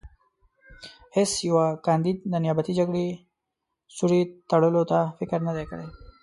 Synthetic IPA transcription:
hesjawakɑnd̪id̪̚d̪ənjabat̪id͡ʒaɡɽe | suɽit̪ɐɽəlot̪afɪkəɾnəd̪ekə̰ɽe

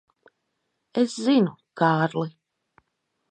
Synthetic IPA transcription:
ɛszinukaːɾlˠi

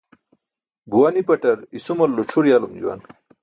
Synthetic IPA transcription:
buwanipɐʈɐɾisumolːoʈ͡ʂʰuɾjalumd͡ʑṵwa̰n

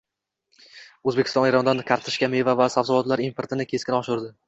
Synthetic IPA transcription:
ɵzbekʲɪ̥st̪ɒ̃neɾɒnd̪ankʲʰaɾt̪ʰɪ̥ʃkʲame̞vavasavzɪlɒt̪laɾimpʰeɾt̪ʰɪnɪkʲʰe̞skʲɪnɒʃʊɾd̪ɪ

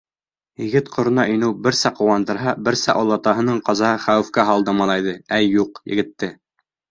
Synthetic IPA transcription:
jɘ̆ɡɘt̪qʰŏɾ̆nɑʔɵ̆jnɘwbɘ̆ɾsæqŏwɑnd̪ɤ̆ɾɦɑbɘ̆ɾsæʔolˠːɑt̪ɑɦɤ̆nɤɴqɑzɑɦɤχæwɘ̆fkæɦɑlˠd̪ɤmɑlˠɑjðɤæjːuqjɘ̰̆ɡɘ̆t̪ːɘ

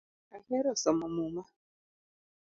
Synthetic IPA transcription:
ahɛɾɔsɔmumuma

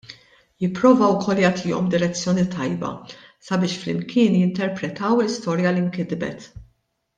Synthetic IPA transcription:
jɪpːɾɔːvɐwkʰɔlːjɐːt̪ʰɪːɔ̰md̪ɪɾɛt͡sːjɔːnit̪ɐjbɐ̰sɐbɪːʃflɪmkʰɪːnjɪnt̪ɛɾpɾɛt̪ɐwlɪst̪ɔːɾjɐliŋkɪd̪bɛ̰t̪

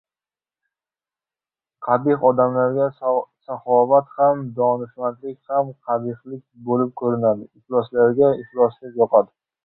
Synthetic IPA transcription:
qʰɑd̪ɪqɒd̪amlaɾɡʲasaχɒvat̪hamd̪ɒnɪʃmant̪lɪkʲhamqʰɑb̪ɪχlɪk̚ʲbolɪp̚kʰɵɾɪnad̪ɪɪhlɒslaɾɡʲaɪχlˠɒslɪpjɒqʰɑd̪ɪ

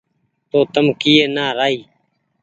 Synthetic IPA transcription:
t̪oːt̪əmkiːeːnaːɾaːiː

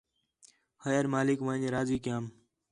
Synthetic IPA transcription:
həjəɾmaːlɪkʋãːɲeɾaːziːkɪjãːm

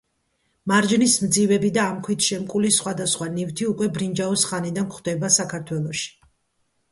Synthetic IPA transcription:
maɾd͡ʒnismd̪zivɛbid̪aːmkʰwit̪ʰʃɛmkʼulisχwad̪asχwanivt̪ʰiukʼwɛbɾind͡ʒaɔsχanid̪ankʰχwd̪ɛbasakʰaɾt̪ʰwɛlˠɔʃi̥

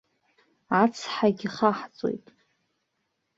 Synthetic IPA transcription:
at͡sʰħaɡʲiχaħt͡sʼo̞̰jtʼ

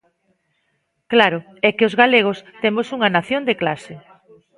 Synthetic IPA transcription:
klaɾʊ | ɛkɪozɣaleɣ̞ʊst̪emosuŋɐnaθjond̪eklasɪ

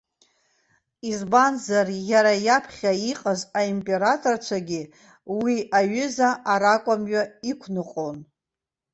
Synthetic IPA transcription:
izbanzarjaɾajapʰχʲaiqʼazʷaimpʼe̞ɾatʼort͡ʃʷʰaɡʲi | wiʔaɥʏzaʔːɾakʷʼamɥaikʷʰnɨqʼon

